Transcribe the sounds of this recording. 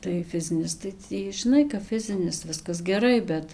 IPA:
tɐɪ ˈfʲɪzʲɪnʲɪs tɐɪ ˈtʲiː ʒʲɪˈnɐɪ kɐp ˈfʲɪzʲɪnʲɪs ˈʋʲɪskɐs ɡʲɛˈrɐɪ ˈbʲɛt

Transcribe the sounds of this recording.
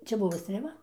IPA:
ˈt͡ʃʲɛ ˈbʊʋoː sʲtʲrʲeːˈʋɐ

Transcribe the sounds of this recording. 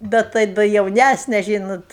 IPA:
ˈbʲɛt tɐɪ dɐ jɛʊˈnʲæsʲnʲɛ ˈʒʲiːnoːt

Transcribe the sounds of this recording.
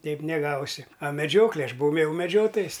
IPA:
ˈtʲɛɪp nʲɛˈɡɐʊsʲɪ ɐ mʲɛˈd͡ʒʲoːklʲeː ˈɐʃ bʊˈʋɐʊ m jɛʊ mʲɛˈd͡ʒʲoːtoːjɛs

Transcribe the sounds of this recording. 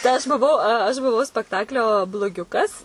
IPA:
tɐɪ ˈɐʃ bʊˈʋɐʊ ɐʃ bʊˈʋɐʊ sʲpʲɛkˈtɑːklʲoː blˠoːˈɡʲʊkɐs

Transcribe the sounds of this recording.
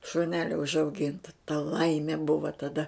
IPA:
ʃʊˈnʲæːlʲoː ʊʒɐʊˈɡʲɪntɐ tɐ ˈlˠɐɪmʲeː ˈbʊʋɐ tɐˈdɐ

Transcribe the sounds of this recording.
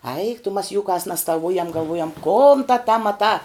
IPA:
ɐɪk tʊ mɐs juːˈkɑːs nʲɛstɐˈʋʊjɛm ɡɐlˠˈʋʊjɛm koːn tɐ tɐ mɐˈtɑː

